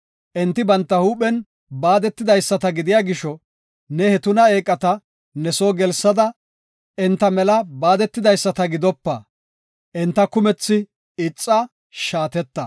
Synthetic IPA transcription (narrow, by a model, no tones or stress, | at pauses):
ʔɛnt̪ːɪbɐnt̪ːɐhuːpɛn | baːd̪ɛt̪ːɪd̪ɐjsːɐt̪ɐɡɪd̪ɪjaːɡɪʃɔ | nɛhɛt̪ʊnɐe̞ːkʼːɐt̪ɐ | nɛsoːɡɛlsːɐd̪ɐ | ɛnt̪ːɐmɛlɐbaːd̪ɛt̪ːɪd̪ɐjsːɐt̪ɐɡɪd̪ɔpːɐ | ʔɛnt̪ːɐkʊmɛt͡sːɪ | ɪt͡sʼːɐ | ʃaːt̪ɛt̪ːɐ